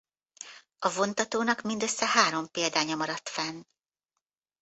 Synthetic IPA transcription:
ɒvo̞nt̪ɒt̪oːnɒkmind̪øsːɛɦaːɾo̞mpeːld̪aːɲɒmɒɾɒt̪fɛn

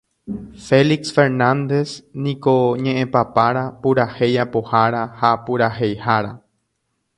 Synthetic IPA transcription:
fe̞liksfe̞ɾnãnd̪e̞snĩkoɲẽʔẽpapaɾapuɾahe̞japohaɾahapuɾahe̞jhaɾa

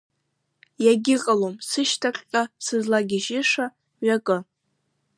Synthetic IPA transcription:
jaɡʲɪqʼalomsɨʃtʰaqʲʼqʲʼasɨzlaɡʲɪʒɪʂa | ɥakʼɨ

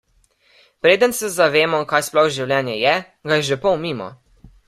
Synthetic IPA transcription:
pɾeːd̪ənsɛzaʋeːmɔkaːjsplɔxwʒiwljɛːnjɛjɛ | ɡajɛʒepɔwmiːmɔ̰

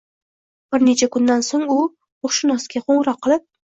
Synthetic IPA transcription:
b̥ɪɾne̞t͡ʃʰakʊnd̪ansoŋʊ | oχʃɪnɒsɡʲaqʰoɴɾɒqʰːɨlˠɪp̚

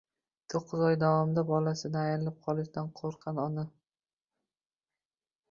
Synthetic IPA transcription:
t̪ʰoqʰːɨzɒjd̪avɒmɪd̪abɒlasɪd̪aːjɾɪlɪp̚qʰɒlˠɪʃd̪anqʰoɾqʰɑnɒnɪ

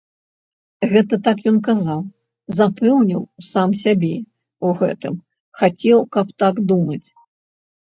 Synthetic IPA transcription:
ɣɛt̪ɐt̪ak̬jɔnkazaw | zapɛwnʲiwsamsʲabʲɛ | uɣɛ̰t̪ɨm | xat͡sʲɛwkɐpt̪aɡd̪umɐt͡sʲ

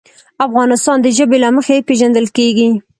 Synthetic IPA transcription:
afɣɑnɪst̪ɑnd̪əʒəbelaməxaepeʒand̪əlkeɡi

